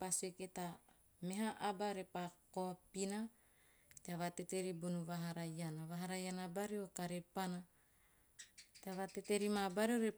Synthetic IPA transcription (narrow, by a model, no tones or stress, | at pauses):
paseket̪a | meɦaʔabaɾepakoapina | taβat̪eteɾibunuvaɦaɾajanavaɦaɾajanabaɾiokaɾepana | taβat̪eteɾimabaɾioɾe